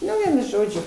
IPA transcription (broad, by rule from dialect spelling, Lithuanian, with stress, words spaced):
ˈnʊ ˈʋʲiɛnʊ ˈʒoːd͡ʒʲʊ